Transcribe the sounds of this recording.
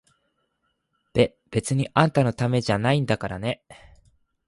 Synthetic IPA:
d̪̥e̞ | b̥e̞t͡sɨɲ̟iʔãnt̪ano̞t̪ame̞ʑanaĩnd̪akaɾane̞

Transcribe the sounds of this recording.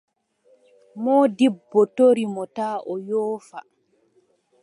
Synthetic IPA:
mɔːdibːɔtoɾimɔtaːʔɔjɔːfa

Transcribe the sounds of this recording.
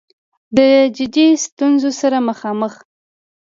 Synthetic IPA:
d̪əd͡ʒɪd̪ist̪unzosaɾaməxɑməx

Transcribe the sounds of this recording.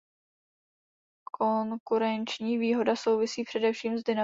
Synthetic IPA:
kʰoŋkuɾɛnt͡ʃɲiːviːɦo̞daso̞wvɪsiːpr̥ɛdɛfʃiːmzdɪna

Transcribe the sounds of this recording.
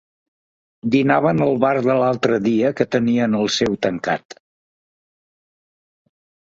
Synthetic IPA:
d̪inaβ̞ənəlˠβaɾðəlalˠt̪ɾəðiəkət̪əniənəlˠsɛwt̪əŋka̰t̪

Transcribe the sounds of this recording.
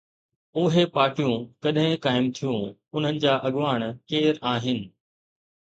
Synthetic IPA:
ʊːɦepaːʈijũkɐɗɦɪ̃kaːɪmt̪ʰijũʊn̤ənɪ̆d͡ʑaːʔɐɠʋaːɽ̃keːɾaːɦɪnɪ̆

